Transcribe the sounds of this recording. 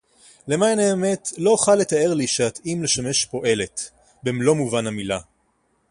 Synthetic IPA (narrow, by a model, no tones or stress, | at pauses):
le̞maneːme̞tlo̞oχalːet̪ae̞ʁliʃeat̪imle̞ʃame̞ʃpo̞ʔe̞le̞t̪ | bemlo̞muvanamila